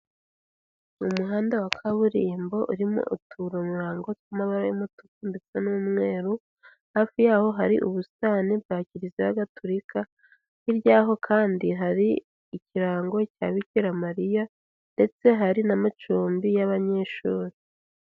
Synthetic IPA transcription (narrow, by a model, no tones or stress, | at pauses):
umuɦaːndawakʰaβuɾiːmbo̞ʔuɾimo̰ʔutʰuɾomuɾaːŋɡotwamaβaɾojimutukundet͡senumŋe̞ːɾu | haːfijaːho̞ɦaɾiʔṵβusaːneb̚ɡaːciɾiziβaɡatʰoɾikʰa | iɾjaːɦo̞kʰaːndiɦaɾi | iciɾaːŋɡo̞ca̰ːβiciɾamaɾija | nde̞t͡se̞ɦaɾinamat͡ʃuːmbijaβaɲe̞ːʃuːɾi